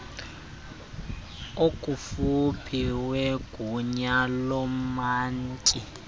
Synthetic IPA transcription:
okʼufupʰiweɡ̥ʱuɲalɔmaːntʼi

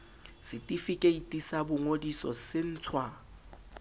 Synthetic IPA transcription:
sɪtʼifikʼeitʼisabʊŋodisɔ̰sɪn̩ːt͡sʰwa

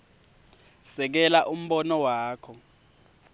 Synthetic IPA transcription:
sɛk̬ɛlaʔum̩ɓɔnɔwaːkʰɔ

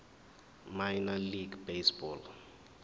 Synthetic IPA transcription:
majnaliɡbesbɔl

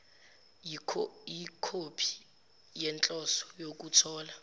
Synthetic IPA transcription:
ikʰopʰi̥ | jɛnt͡ɬʼɔsɔ̥jok̬ʼut͡sʰɔːla

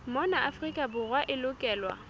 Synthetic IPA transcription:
mɔnaʔafrikʼabʊrwaʔɪlʊkʼɛːlwa̰

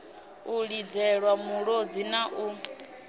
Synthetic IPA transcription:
uɺid͡zɛɺwamuɺod͡zinaʔu

